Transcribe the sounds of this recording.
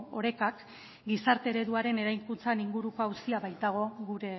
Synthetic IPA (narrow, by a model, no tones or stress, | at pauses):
o̞ɾe̞kak | ɡisaɾt̪e̞ɾe̞ðuaɾe̞ne̞ɾajŋkunt͡saniŋɡuɾukoawsiaβajt̪aɣ̞o̞ɣuɾe̞